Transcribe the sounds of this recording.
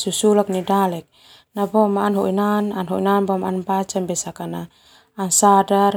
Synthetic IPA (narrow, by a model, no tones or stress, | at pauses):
susulak̚nidalɛk̚ | nabɔmaʔːnɦɔʔinananɦɔinanbɔmaʔanbat͡ʃambɛsakanaː | nsadar